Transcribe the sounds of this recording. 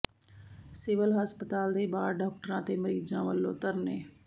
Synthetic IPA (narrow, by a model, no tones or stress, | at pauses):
sɪʋəlɦəspət̪aːld̪eːbaːɾɖaːk̚ʈəɾãːt̪eːməɾiːzãːʋəlːõ̰ːt̪əɾnḛː